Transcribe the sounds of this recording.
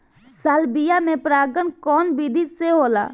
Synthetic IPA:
saːlbijamẽpɾaːɡənkɔːnbiːd̪ʱiseɦoːla̰ː

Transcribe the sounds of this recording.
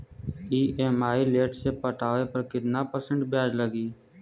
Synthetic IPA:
iːʔeːmaːileːʈsepəʈaːʋepəɾkɪt̪napəsə̃ɳɖbjaːd͡ʒləɡiː

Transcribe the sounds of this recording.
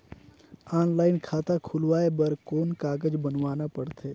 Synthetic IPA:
aːnlaːɪnkʰaːt̪akʰʊlʋaːebəɾkoːnkaːɡəd͡ʒbənʋaːnapəɽt̪ʰeː

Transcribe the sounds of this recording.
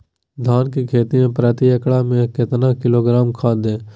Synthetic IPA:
d̪ʱaːnkikʰeːt̪imẽːpɾɛːt̪iəkɭaːmẽkɪt̪nãːkɪloːɡɾaːmkʰaːd̪ẽː

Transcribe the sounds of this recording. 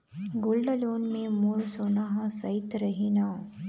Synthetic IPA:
ɡʊlɖəloːnmẽmuɭsoːnaɦãsɐɪt̪ɾɐɦinaː

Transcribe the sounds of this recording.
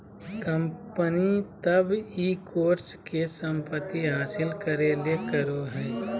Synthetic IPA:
kə̃mpənit̪əbiːkoːɾskesə̃mpət̪ːiɦaːsɪlkəɾelekəɾoɦɛː

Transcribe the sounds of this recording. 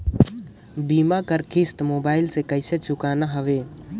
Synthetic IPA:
bimakəɾkʰɪst̪moːbaːɪlsekəɪset͡ʃʰʊkanaɦəʋe

